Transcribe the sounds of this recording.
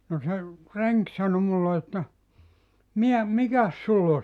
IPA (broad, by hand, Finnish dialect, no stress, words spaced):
no se reŋk sɑno mulːe etːæ miæ mikæs sulː o